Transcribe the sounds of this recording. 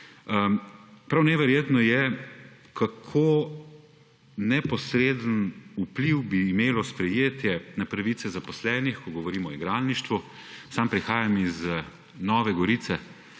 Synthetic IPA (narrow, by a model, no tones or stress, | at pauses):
əpɾawnɛʋɛɾjeːt̪nɔjɛ | kakʰo | nɛpɔsɾed̪ənupliwbiːmeːlɔspɾɛjeːt̪jɛnapɾaʋiːt̪sɛzapɔslɛːnixkɔɡɔʋɔɾiːmɔiɡɾaːlniʃt̪ʋu | sampɾixaːjamiz | nɔːʋɛɡɔɾiːt̪sɛ